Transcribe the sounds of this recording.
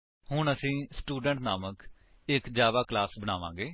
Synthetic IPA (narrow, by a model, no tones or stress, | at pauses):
hʊɳəsĩːsʈuːɖəɳʈnaːmək | ɪkd͡ʒjaːʋaːklaːsbəñaːʋãːɡeː